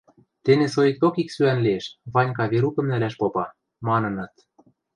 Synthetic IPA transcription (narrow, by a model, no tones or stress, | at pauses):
t̪enesojik̚t̪okiksyænlieʃβɑnʲkɑβeɾukɤ̆mnælæʃpopɑ | mɑnɤ̆nɤ̆t̪